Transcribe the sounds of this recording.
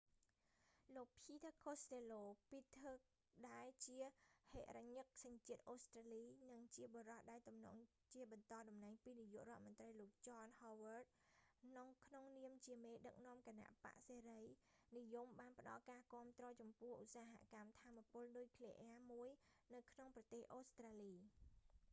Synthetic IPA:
loːk̚pʰiːt̪akʰost̪eːloːpit̪ʰək̚ | ɗaɛlt͡ɕiəhḛːʔraɲɨk̚saɲt͡ɕiət̪̚ʔoːst̪raːliːnɨŋt͡ɕiəɓoːɾɑhɗaɛlt̪umnɔ̰ːŋ | t͡ɕiəɓɑnt̪ɑːɗɑmnaɛŋpiːnijuəʔrŏət̪̚mʊ̆nt̪rəjloːk̚t͡ɕɑːnhɔːʋərt̪̚noŋkʰnoŋniəmt͡ɕiəmeːɗək̚nŏəmkana̰ʔpa̰ʔseːɾəjnijumɓaːnpə̆ɗɑ̰lkaːkɔ̆əmt̪rɔːt͡ɕɑmpʊ̆əhʔusaːɦa̰ʔkamt̪ʰaːmːapʊ̆əlnuːjkʰleʔaːmuəjnɨwkʰnoŋprɑt̪eːhʔoːst̪raːliː

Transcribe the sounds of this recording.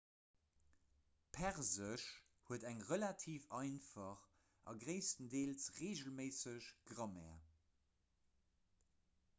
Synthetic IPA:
pʰɛʁzəʃ | huədæŋʁəlatʰiːfɑɪnfɑχ | ʔɑ̰ɡʁeɪstəndeːlsʁeːʒəlmeɪsəɕɡ̥ʁɑmɛ̰ːɐ

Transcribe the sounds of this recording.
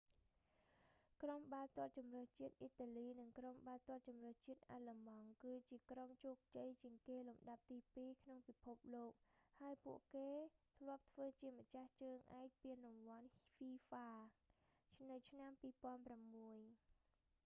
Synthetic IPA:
kromɓaːlt̪ŏət̪̚t͡ɕumrəht͡ɕiət̪̚ʔit̪ːaːliːnɨŋkromɓaːlt̪ŏət̪̚t͡ɕumrəht͡ɕiət̪̚ʔaːlamɑŋkɨːt͡ɕiəkromt͡ɕoːk̚t͡ɕəjt͡ɕiəŋkeːlumɗap̚t̪iːpiːkʰnoŋpipʰop̚loːk̚haəjpuəʔkeːt̪ʰlŏəp̚t̪ʰʋəːt͡ɕiəmə̆t͡ɕaht͡ɕəːŋʔaɛk̚piənrumʋŏənfiːfaː | nɨwt͡ɕʰnampiːpŏənpramːuəj

